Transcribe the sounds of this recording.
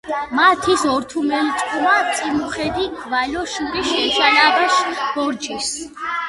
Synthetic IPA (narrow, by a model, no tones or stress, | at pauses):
mat̪ʰisɔɾt̪ʰumɛlt͡ʃ̪ʼqʼumat̪sʼimuχɛd̪iɡʰvalɔʃuɾiʃɛd͡ʒalabɛʃbɔɾd͡ʒis